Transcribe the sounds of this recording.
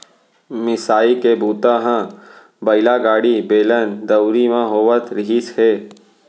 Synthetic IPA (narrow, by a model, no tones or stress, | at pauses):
mɪsaːikebuːt̪aɦã | bɐɪlaɡaːɽibeːlənd̪ɐwʊɾimãɦoːʋət̪ɾɪɦisheː